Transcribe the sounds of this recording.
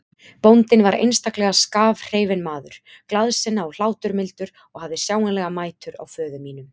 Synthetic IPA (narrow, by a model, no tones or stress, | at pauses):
pownt̪ɪnvaɾḛjnst̪aklɛɣaskaːvr̥eːjvɪnmaːðʏɾ̥klaðsɪnːaɔl̥aːwt̪ʏɾmɪlt̪ʏɾ̥ | ɔɣhavðɪsjaːwŋanlɛɣamaːjt̪ʏɾa̰wfœːðʏmiːnʏm